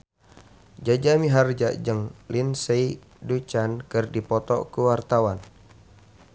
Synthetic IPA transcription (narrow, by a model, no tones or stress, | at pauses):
d͡ʒad͡ʒamiɦard͡ʒa̰d͡ʒəŋlinsei | dut͡ʃankɨrdipɔt̪ɔ̰kuwart̪awan